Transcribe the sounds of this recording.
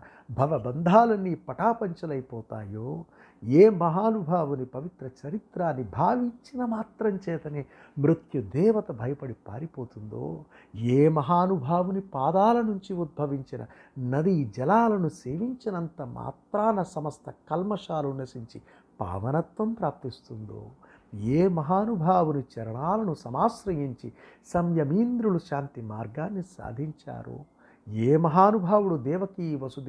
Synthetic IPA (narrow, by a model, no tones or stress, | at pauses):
bʱɐʋɐbɐnd̪ʱaːlɐnipɐʈaːpɐɲt͡ʃɐlɐjpɔːt̪a̰ːjoː | eːmɐɦaːnubʱaːʋunipɐʋit̪ɾɐt͡ʃɐɾit̪ɾaːnːibʱaːʋiɲt͡ʃinɐmaːt̪ɾɐmt͡ʃɛːt̪ɐneː | mɾut̪jud̪ɛːʋɐt̪ɐbʱɐjɐpɐɽipa̰ːɾipoːt̪und̪o̰ː | eːmɐɦaːnubʱaːʋunipaːd̪aːlɐnuɲt͡ʃiud̪̚bʱɐʋiɲt͡ʃinɐ̰ | nɐd̪id͡ʒɐlaːlɐnuseːʋiɲt͡ʃinɐnt̪ɐma̰ːt̪ɾaːnɐsɐmɐst̪ʰɐkɐlmɐʂaːlunɐsiɲt͡ʃi | pa̰ːʋɐnɐt̪ʋɐmpɾaːp̚t̪ist̪und̪o̰ː | eːmɐɦaːnubʱaːʋunit͡ʃɐɾɐɳaːlɐnusɐmaːsɾɐjiɲt͡ʃisɐmjɐmiːnd̪ɾuluʃaːnt̪imaːɾɡaːnːisa̰ːd̪ʱiɲt͡ʃa̰ːɾṵ | eːmɐɦaːnubʱaːwuɽud̪ɛːʋɐkiʋɐsud̪